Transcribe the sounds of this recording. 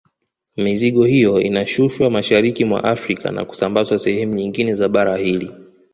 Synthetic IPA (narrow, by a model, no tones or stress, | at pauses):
miziɠɔhijɔḭnaʃuʃwamaʃaɾikimwa̰ʔafɾika̰na̰ku̥sambazwasɛhɛmuɲiŋɡinɛzaɓaɾahili